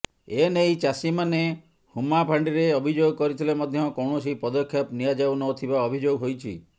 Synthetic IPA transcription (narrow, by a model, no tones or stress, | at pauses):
enejt͡ʃasimane | humapʰaɳɖiɾeɔbʱid͡ʒoɡɔkɔɾit̪ʰilemɔd̪ʱjɔkɔwɳɔsipɔd̪ɔkʰːjɔpniad͡ʒawnɔt̪ʰibaɔbʱid͡ʒoɡɦojt͡ʃʰḭ